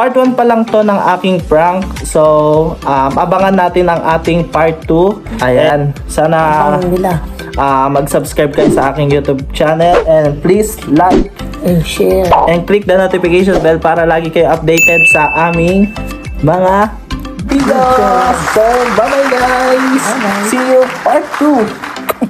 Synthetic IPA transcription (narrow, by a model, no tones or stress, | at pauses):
paɹt̪wanpɐlɐŋt̪o̞nɐŋʔaːkɪŋfɹaŋksoʔɐmʔɐbɐŋɐnːaːt̪ɪnɐŋʔaːt̪ɪŋpaɹt̪ːuʔɐjansaːnɐɪla | ʔɐmɐɡsɐbskɹajb̚kɐjosɐʔaːkɪŋjuːt̪ub̚t͡ʃanɛlʔɛnd̪̚plis | lak | ʃɛʔɛn̚klik̚d̪ɐnot̪ɪfɪkejʃ̬onbɛlpaːɾɐlaːɡɪkɐjoʔɐp̚d̪ejt̪ɛd̪̚sɐʔaːmɪŋ | mɐŋa | vid̪osɛbamajɡajssijopaɹt̪ːu